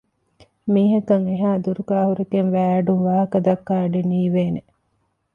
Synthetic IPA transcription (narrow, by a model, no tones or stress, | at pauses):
miːɦɐkːɐŋeɦaːd̪uɾukaːɦuɾekeŋʋæːɖumʋaːɦɐkɐd̪ɐkːaːɖeniːʋeːne